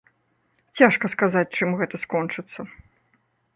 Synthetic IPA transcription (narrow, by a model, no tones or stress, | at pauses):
t͡sʲaʂkɐskazat͡sʲt͡ʂɨmɣɛt̪ɐskɔnt͡ʂɨt̪sːɐ